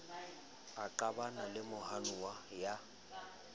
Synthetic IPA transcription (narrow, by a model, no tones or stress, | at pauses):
aǃabanalɪmʊhanuwaja